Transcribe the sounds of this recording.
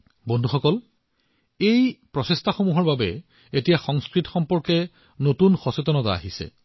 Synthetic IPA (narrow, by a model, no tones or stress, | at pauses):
bondʱuxɔkɔl | ejpɹɔsestʰaxomuɦɔɹbabɛ | etijaxɔŋskɹitɔxɔmpɔɹkɛ | notunxɔsetɔnɔta̰a̰ɦisɛ̰